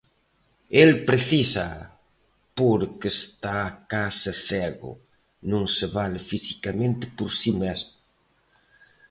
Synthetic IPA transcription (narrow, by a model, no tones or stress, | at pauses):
elpɾeθisɐ | poɾkest̪akasɪθɛɣʊ̰ | nõŋseβalɪfisi̥kamẽnt̪ɪ̥poɾsimezmʊ